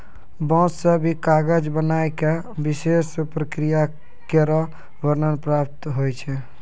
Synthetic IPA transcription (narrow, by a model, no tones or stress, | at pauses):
bɔ̃sːəbʱikaɡəd͡ʒbənajke | bisespɾəkɾija | keɾɔ | bəɾnənpɾap̚t̪ɦojt͡ʃʰɛ